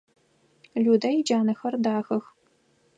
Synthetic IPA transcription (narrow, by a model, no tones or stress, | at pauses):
ɮuːdɐjid͡ʒaːnɐxɐrdaːxɐx